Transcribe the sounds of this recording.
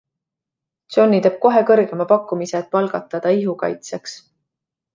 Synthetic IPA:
t̪so̞nːit̪eːb̥̚ko̞ɦe̞kɤrɡ̥e̞mɑpɑkːˑumiseːt̪̚pɑlɡ̥ɑt̪ːˑɑd̪̥ɑiɦukɑ̰jt̪seks

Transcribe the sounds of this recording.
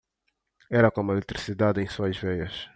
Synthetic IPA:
ɛɾɐkõmʊelet̪ɾisid̪ad̪ẽj̃suɐʒvɛjɐʃ

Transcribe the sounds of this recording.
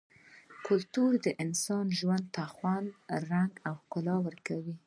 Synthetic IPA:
kʊlt̪uɾd̪əʔɪnsɑnʒwand̪̚t̪axwanɾaŋɡawkʊlɑwəɾkawi

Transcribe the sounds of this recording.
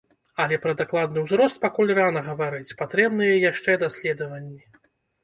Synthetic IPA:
ɐlʲɛpɾɐd̪aklˠad̪nɨwzɾɔst̪̚pakulʲranɐɣɐvaɾɨt͡sʲpat̪ɾɛbnɨjɐjaʂt͡ʂɛd̪asʲlʲɛd̪ɐvɐnʲːi

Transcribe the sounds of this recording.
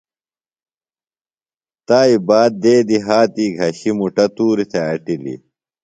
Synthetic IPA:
t̪aːibaːd̪̚d̪eːd̪iɦaːt̪iːɡʱɐɕimuʈɐt̪uːɾit̪ʰɐɐʈilḭ

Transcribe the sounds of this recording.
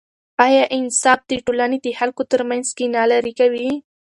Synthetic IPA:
ɑjɑʔɪnsɑfd̪əʈolaned̪əhalkot̪əɾmanzkenɑlaɾikawi

